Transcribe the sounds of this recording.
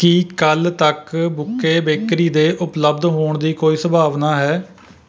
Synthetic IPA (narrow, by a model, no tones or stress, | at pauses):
kikəlt̪əkbʊkːeːbeːkɾiːd̪eːʔʊpləb̚d̪ɦoːɳd̪iːkoːiːsəbʱaːʋnaːɦɛː